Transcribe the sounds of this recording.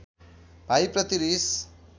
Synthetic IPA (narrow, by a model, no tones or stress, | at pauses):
b̥ʱajprʌt̪iɾis